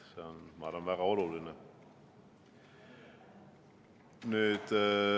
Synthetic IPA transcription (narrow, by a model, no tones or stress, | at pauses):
seonmɑɾɑnvæɡ̥ɑo̞luline | nyːd̪̥